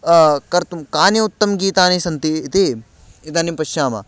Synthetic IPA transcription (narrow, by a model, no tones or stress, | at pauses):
kɐɾt̪umkaːniut̪ːɐmɡiːt̪aːnisɐnt̪it̪e | ɪt̪aːnimpɐʃaːmɐ̰